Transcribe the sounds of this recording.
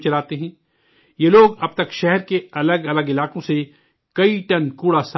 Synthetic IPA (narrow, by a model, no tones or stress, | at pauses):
t͡ʃɐlaːt̪eɦɛ̃ː | jeloːɡɐb̚t̪ɐkʃɛɦɛɾkeɐləɡɐləɡɪlaːqõse | kɐiʈɐnkuːɽasa